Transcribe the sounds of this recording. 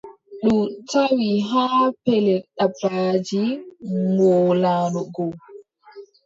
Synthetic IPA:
ɗumtawiɦaːpɛlɛɗabad͡ʒiŋɔːlaːnɔɡɔ

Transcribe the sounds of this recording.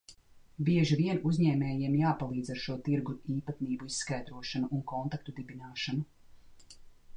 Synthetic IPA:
biɛʒiviɛnuzʲɲɛːmɛːjiɛmjaːpalˠiːd̪zaɾʃuɔt̪iɾɡuiːpat̪niːbuisskajd̪ɾuɔʃanuʔːŋkɔnt̪ak̚t̪ud̪ibinaːʃanu

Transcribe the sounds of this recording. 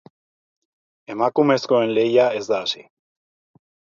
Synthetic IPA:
e̞makume̞sko̞e̞nle̞jae̞zd̪aːsi

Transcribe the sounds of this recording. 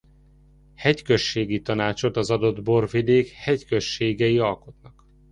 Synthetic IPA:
hɛckøʃːeːɡit̪ɒnaːt͡ʃo̞t̪ɒzɒd̪o̞d̪bo̞rvid̪eːkhɛckøʃːeːɡɛjiɒlko̞t̪nɒk

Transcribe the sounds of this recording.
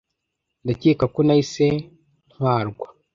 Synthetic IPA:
ndaceːkakonaise | n̥hwaːɾɡwa

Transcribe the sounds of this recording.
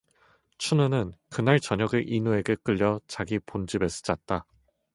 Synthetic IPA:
t͡ɕʰunɯnɯnkɯnaɭt͡ɕʌɲʌɡɯʔinue̞ɡe̞k͈ɯʎːʌt͡ɕaɡipond͡ʑibe̞s͈ɯ̥d͡ʑat̚t͈a

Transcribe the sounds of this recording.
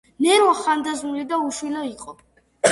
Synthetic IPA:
nɛɾwaχand̪azmulid̪auʃwilaiqʼɔ

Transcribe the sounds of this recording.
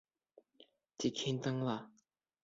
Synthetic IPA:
t͡ɕikʰint̪aŋla

